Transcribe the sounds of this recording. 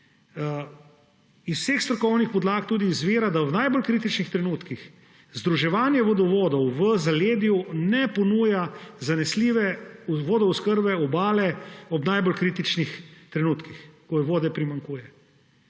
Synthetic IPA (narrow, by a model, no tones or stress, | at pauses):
iswsexst̪ɾɔkɔwnixpɔd̪laːkt̪uːd̪iːzʋeːɾad̪awnajbɔlkɾiːt̪̬it͡ʃnixt̪ɾɛnuːt̪kix | zd̪ɾuʒɛʋaːnjɛʋɔd̪ɔʋoːd̪ɔwʋəzaleːd̪junɛpɔnuːjazanɛsliʋɛuʋoːd̪ɔuskəɾbɛɔbaːlɛɔbnajbɔlkɾiːt̪it͡ʃnixt̪ɾɛnuːt̪kixkɔjɛʋoːd̪ɛpɾimaŋkuːjɛ